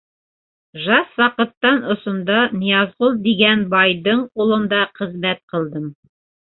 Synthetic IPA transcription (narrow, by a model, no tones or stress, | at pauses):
ʒɑswɑqɤ̆t̪ːɑnŏsŏnd̪ɑnijɑzʁulˠd̪iɡænbɑjdɤɴulˠɤ̆nd̪ɑqɘ̆zmæt̪̚qɤ̆lˠd̪ɤm